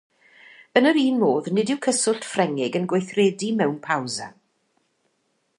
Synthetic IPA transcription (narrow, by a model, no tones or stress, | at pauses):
ənəɾiːnmoːðnɪdɪwkʰəsʊɬtfrɛŋɪɡənɡwejθrɛːdimɛwnpʰawza̰